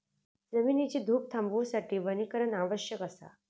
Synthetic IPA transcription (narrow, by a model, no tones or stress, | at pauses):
d͡zəmiːnit͡ɕiːd̪ʱuːp̚t̪ʰãmbusaʈʰiːʋənikəɾənaʋəɕjəkəsa̰